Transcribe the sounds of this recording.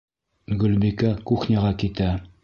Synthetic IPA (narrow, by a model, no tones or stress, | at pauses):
ɡɵ̆lbikækuχnʲaʁɑkit̪æ